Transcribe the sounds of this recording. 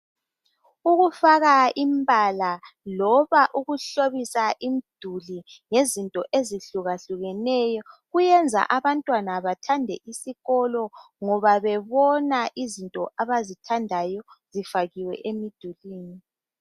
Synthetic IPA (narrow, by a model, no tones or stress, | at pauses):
uɣufaɣaimbʱalalɔβaʔuɣuɬoβisaʔimid̥ʱuliŋezintʼɔʔeziɬuɣaɬuɣɛnɛjɔɣujɛnd͡zʱa̰ʔaβantʼwanaβatʰandʱɛʔisiɣɔlɔ | ŋɔβaβɛβɔnaʔizintʼɔʔaβazitʰandʱajɔzifaɣiwɛ̰ʔemid̥ʱuliːni